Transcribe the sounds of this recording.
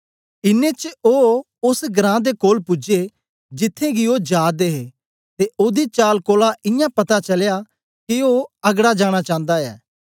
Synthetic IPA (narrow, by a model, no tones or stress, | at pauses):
ɪnːet͡ʃoː | ʊsɡɾãːd̪ekoːlpʊd͡ʒe | d͡ʒɪt̪ʰːẽɡiod͡ʒaːd̪eːɦeː | t̪eʔoːd̪it͡ʃaːlkoːlaʔɪjãpɐt̪at͡ʃɐlja | kioːɐɡɽad͡ʒaːɽ̃at͡ʃãːnd̪aɛ̰ː